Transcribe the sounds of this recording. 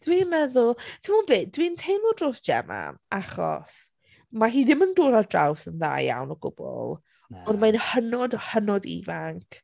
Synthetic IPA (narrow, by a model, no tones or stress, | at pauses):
d̥winmɛðʊlˠtʰɪmɔbeːdwintʰejnlɔdroːsʒ̥ɛ̰ma̰aχɔ̰s | maɦiːðɪməndoːdadrawθənða̰ːja̰wnɔɡʊ̰b̥ɔ̰lˠ | ɔnmajnhənɔdhənɔdḭvaŋkʰ